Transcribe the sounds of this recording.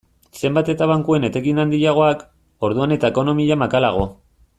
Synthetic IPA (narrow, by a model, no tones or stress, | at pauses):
se̞mbat̪e̞t̪aβaŋkue̞ne̞t̪e̞ɣinand̪iʎaɣ̞o̞ak | o̞ɾðuane̞t̪ae̞ko̞no̞miʎamakalaɣ̞o̞